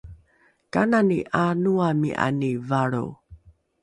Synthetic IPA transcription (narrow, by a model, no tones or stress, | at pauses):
kananiʔanuamḭʔa̰nivaɭṵ